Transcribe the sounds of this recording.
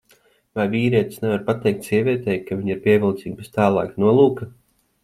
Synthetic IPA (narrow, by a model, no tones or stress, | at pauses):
vajviːɾiɛt̪snɛvaɾpat̪ɛjkt̪ʲsiɛvʲiɛt̪ɛjkaviɲiɾpiɛvʲilˠt̪siːɡ̚best̪aːlˠɑ̰ːknuɔlˠuːkɐ